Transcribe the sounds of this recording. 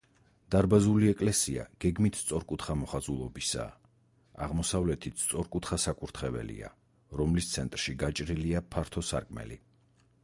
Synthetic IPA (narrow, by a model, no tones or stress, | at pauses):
d̪̥aɾbazuliɛkʼlɛsia̰ɡ̥ɛɡmit̪ʰst̪sʼɔɾkʼut̪χamɔχazulˠɔbisa̰ | aʁmɔsavlɛt̪ʰit̪st̪sʼɔɾkʼut̪ʰχasakʼuɾt̪ʰχɛvɛ̰lḭa̰ | ɾɔmlist̪sʰɛnt̪ʼɾʃiɡat͡ʃʼɾiliapʰaɾt̪ʰɔsa̰ɾkʼmɛ̰lḭ